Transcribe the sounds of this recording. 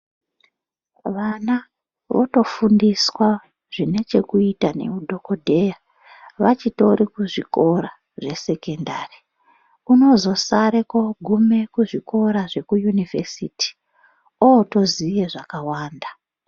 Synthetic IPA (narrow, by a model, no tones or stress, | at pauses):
ʋana | ʋoto̞fundiswa | ʐ̥ine̞t͡ʃe̞kuitane̞̰udʱo̞kodʱe̞ja | ʋat͡ʃito̞ɾikuʐiko̞ɾa | ʐe̞se̞kendari | uno̞zo̞saɾeko̞ɡʱume̞kuʐiko̞ɾaʐe̞kujunivesitʰi̥ | ooto̞zijeʐakawaːnda